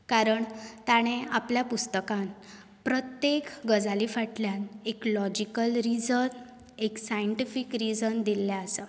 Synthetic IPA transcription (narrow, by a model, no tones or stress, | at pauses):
kaɾəɳt̪aɽ̃eapljapust̪əkãn | pɾət̪jekɡəd͡zalifaʈljaneklɔd͡ʑikəlɾid͡zən | eksajəɳʈifikɾid͡zənd̪ilːjaəsə